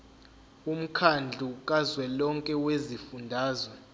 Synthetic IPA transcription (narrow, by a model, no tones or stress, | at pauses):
um̩kʰand͡ɮʱukʼazwɛlɔŋkʼɛwezifundʱaːzɔ